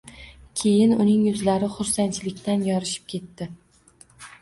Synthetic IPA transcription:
kʲʰe̞jɪnʊnɪŋjʊzlaɾɪχʊɾsant͡ʃʰɪlɪkʲt̪ʰanjɒɾɪʃɪ̥p̚kʲʰe̞t̪ːɪ

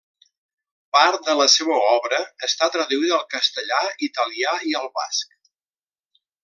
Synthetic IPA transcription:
paɾt̪̚d̪ələseβəɔβɾəːst̪at̪ɾəðuiðəːlˠkəst̪əʎait̪əliaiəlˠβa̰sk

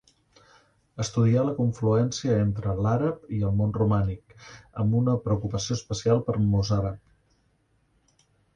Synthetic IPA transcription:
əst̪uðialəkuɱfluɛnsiəent̪ɾəlaɾəpiəlˠmonrumanikə̰mbunəpɾəukupəsioəspəsialˠpəɾmozaɾəp̚

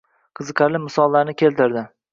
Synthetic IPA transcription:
qʰɨzɨqɑɾlɪmɪsɒlˠːaɾnɪkʲʰe̞lt̪ɪɾd̪ɪ

